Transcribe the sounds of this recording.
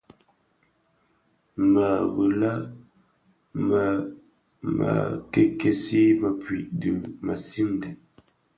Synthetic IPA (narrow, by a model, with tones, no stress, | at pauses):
ma˨ɣu˨la˦ | ma˨ | ma̰˨ke˦ke˦si˦ma˨pɥi˨ʔdi˨ma˨si˦n˨dɛ˨